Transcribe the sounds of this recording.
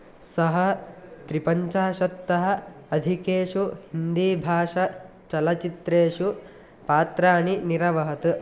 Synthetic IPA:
sɐɦɐt̪ɾipɐɲt͡ʃaːʃɐt̪ːɐɦɐ̆ | ɐd̪ʱikeːʂuhind̪iːbʱaːʃɐ | t͡ʃɐlɐt͡ʃit̪ɾeːʂu | paːt̪ɾaːɳiniɾɐʋɐɦɐt̪ɨ

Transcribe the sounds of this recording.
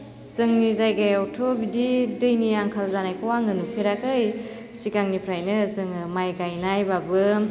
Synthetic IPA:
zɯŋnizajɡajawtʰobididɯjnijaŋkʰalzanajkʰawaŋɯnupʰeɾakɯj | sikaŋnipʰɾajnɯzɯŋɯmajɡajnajbabɯ

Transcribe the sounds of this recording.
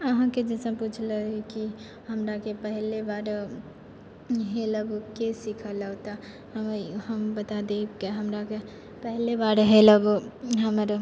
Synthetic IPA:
əɦãked͡ʒɛsə̃put͡ʃʰləɦiki | ɦəmɾakepəɦlebaɾ | ɦeləbkesikʰələt̪a | ɦəmhəmbət̪ad̪ekeɦəmɾake | pəɦlebaɾɦeləboɦəməɾ

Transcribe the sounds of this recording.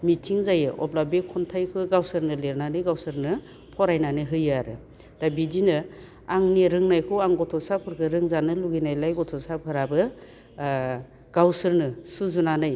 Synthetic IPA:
mitʰiŋzajɯʔɔplabekʰɔntʰajkʰɯɡawsɯɾnɯleɾnanɯjɡawsɯɾnɯ | pʰɔɾajnanɯɦɯjaɾɯ | d̥abidinɯ | aŋniɾɯŋnajkʰɯwaŋɡɔtʰɔsapʰɯɾkʰɯɾɯŋzanɯluɡinajlajɡɔtʰɔsapʰɯɾabɯ | ɡ̥awsɯɾnɯsuzunanɯj

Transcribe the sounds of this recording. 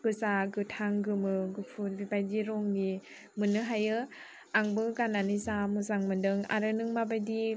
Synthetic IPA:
ɡ̥ɯzaɡɯtʰaŋɡɯmɯɡɯpʰut̚bibajdiɾɔŋni | mɯnɯɦajɯ | aŋbɯɡananizamɯzaŋmɯndɯŋa̰ɾɯnɯŋmabajdi

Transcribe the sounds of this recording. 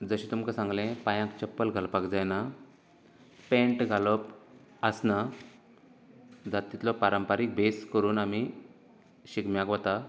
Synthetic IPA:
d͡zəɕẽt̪umkasãŋɡlẽpajãkt͡ɕəpːəlɡʱalpakd͡zajna | pẽɳʈɡʱalɔp | əsna | d͡zat̪ːit̪lɔpaɾəmpaɾik̚beskəɾuːnami | ɕikmjakʋət̪a

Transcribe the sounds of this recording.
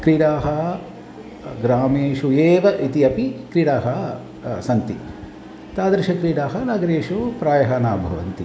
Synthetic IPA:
kɾiːɽaːɦɐ | ɡɾaːmeːʃueːʋɐʔit̪iɐpikɾiːɽaːɦɐ | sɐnt̪i | t̪aːd̪ɾiʃɐkɾiːɽaːɦɐnaːɡɐɾeːʃupɾaːjɐɦɐːnaːbʱɐ̰ʋɐ̰nt̪i

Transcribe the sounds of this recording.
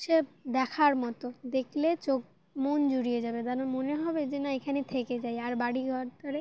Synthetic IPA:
ʃed̪ɛkʰaɾmɔt̪od̪ekʰlet͡ɕok̚ | mond͡ʑuɽijed͡ʑabed̪anamoneɦɔbed͡ʑenaekʰanet̪ʰeked͡ʑajaɾbaɽiɡʱɔɾt̪oɾe

